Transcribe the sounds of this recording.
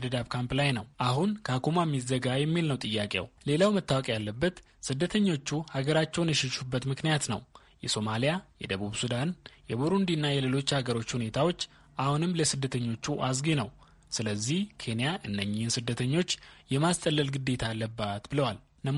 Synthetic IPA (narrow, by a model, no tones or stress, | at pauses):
d̪əd̪aβkʰamplajnəwʔaɦunkʰakumamːizəɡajɛmːilnəwt̪ʼɨjːakʼḛwle̞lawmət̪ːawɔkʼjalːəbːət̪ | sɨd̪ːət̪ʰəɲːo̞t͡ʃːuhaɡəɾat͡ʃːɛwnjɛʃɪʃubːət̪mɨknijat̪nə̰w | jɛso̞malijajɛ̰d̪əβuβsud̪anjɛbuɾund̪inːajɛle̞lo̞t͡ʃːhaɡəɾo̞t͡ʃːhune̞t̪ʰawo̞t͡ʃː | ʔahunɨmːləsɨd̪ːət̪ʰəɲːo̞t͡ʃːuʔas̬ɡenəw | sɨləzːihkʰe̞nijaʔɨnːəɲːɪhnsɨd̪ːət̪ʰəɲːo̞t͡ʃːjɛmast̪ʼəlːəlɡɨd̪e̞t̪ʰalːəbːat̪bɨləwal | nə